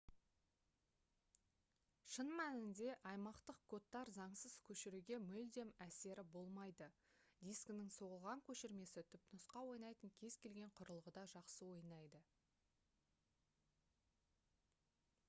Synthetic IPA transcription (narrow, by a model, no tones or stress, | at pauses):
ʃənmænɪnd̪e̞ʔɑjmɑqt̪əqkʰo̞t̪ːɑɾzɑɴsəz̥kʲʰɵʃɪɾuɡʲe̞mʏld̪e̞mæse̞ɾʔɪbo̞lˠmɑjd̪əd̪ijsknɪŋso̞ʁəlˠʁɑŋkʲʰɵʃɪɾme̞sɪt̪ʰʏpnʊsqɑwo̞jnɑjt̪əŋkʲʰe̞z̥kʲʰe̞lɡʲe̞ɴqʰʊɾəlˠʁəd̪ɑʒɑqsəwo̞jnɑjd̪ə